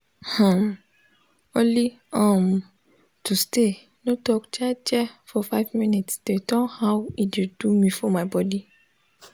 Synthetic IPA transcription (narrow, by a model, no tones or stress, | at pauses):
hãm | õnli | ãm | tʰuste | notɔkd͡ʒad͡ʒɛfɔfaɪvmĩnitsdetɔ̃nhawiid̥umĩfɔmaɪbɔdi